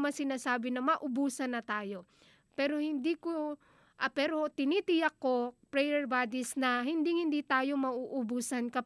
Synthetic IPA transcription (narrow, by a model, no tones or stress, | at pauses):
mɐsɪnaːsaːbɪnɐmɐʔʊbuːsɐnɐt̪aːjo̞ | pɛːɾohɪnd̪iːko | ʔɐpɛːɾot̪ɪnit̪ɪjɐkːo̞pɾɛjɛɹbaːd̪ɪsnɐɦɪnd̪ɪŋhɪnd̪iːt̪aːjo̞mɐʔuʔʊbusɐnkɐ